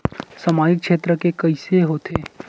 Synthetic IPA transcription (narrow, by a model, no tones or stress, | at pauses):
sɐmaːd͡ʒɪkʃeːt̪ɾəkekɐiseɦoːt̪ʰeː